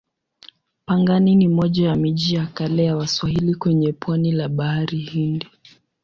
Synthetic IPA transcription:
paŋɡaninimɔʄajamiʄijakalɛjawaswahilikwɛɲɛpwanilaɓahaɾihindi

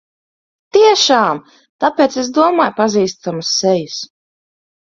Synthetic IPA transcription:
t̪iɛʃaːm | t̪apeːt̪sezd̪uɔmaːjpaziːst̪amusːɛjis

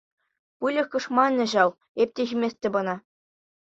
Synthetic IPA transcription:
pɯlʲɤ̆xkɤ̆ʂmɑnʲːɘ̆ʑɑlˠ | ep̚ʲtʲeʑʲimʲesʲtʲɘ̆bɤ̆nɑ

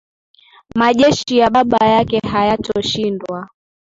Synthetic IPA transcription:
maʄɛʃijaɓaɓajakɛhajatʰɔʃindwa

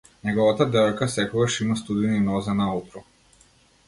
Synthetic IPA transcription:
nɛɡɔvat̪ad̪ɛɔjkasɛkɔɡaʃimast̪ud̪ininɔzɛnaut̪ɾɔ

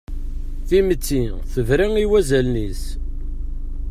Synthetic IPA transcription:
θimət͡sːi | θəvɾiŋiwæzælnis

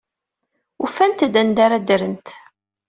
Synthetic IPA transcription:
ufænt̪d̪ænd̪aɾæd̪əɾənt̪

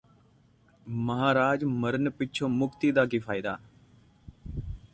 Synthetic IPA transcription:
məɦaːɾaːd͡ʒməɾənpɪt͡ʃʰoːmʊkt̪iːd̪aːkiːfʰaːɪd̪aː

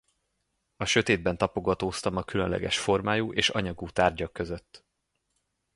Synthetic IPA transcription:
ɒʃøt̪eːd̪̚bɛnt̪ɒpo̞ɡɒt̪oːst̪ɒmɒkylønlɛ̰ɡɛ̰ʃfo̞rmaːjuʔeːʃɒ̰ɲɒɡuːt̪aːrɟɒkːø̞zøt̪ː

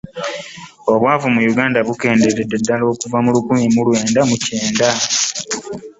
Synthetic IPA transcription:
o̞βwaːvumujuɡaːndaβuke̞ːndeɾededːalo̞ːkuvamulukumimulwe̞ːndamuceːnda

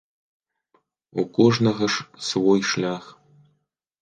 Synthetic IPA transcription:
ṵkoʐnɐɣɐʂsvojʃlʲax

